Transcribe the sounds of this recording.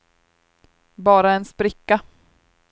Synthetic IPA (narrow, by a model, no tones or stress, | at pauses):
bɑːɾaɛnspɾɪkːa